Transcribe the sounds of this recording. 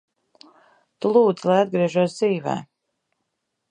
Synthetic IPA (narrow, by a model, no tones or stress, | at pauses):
t̪ulˠuːd̪zilˠajad̪̚ɡɾiɛʒuɔsd̪ziːvɛ̰ː